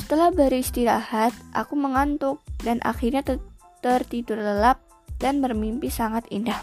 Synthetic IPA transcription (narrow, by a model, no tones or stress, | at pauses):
sə̥t̪əlahbaɾuist̪iɾahat̪̚ʔa̰kuməŋant̪ʊk̚danʔa̰xirɲat̪ | t̪ərt̪idʊrləlap̚ | danbərmimpisaŋat̪indah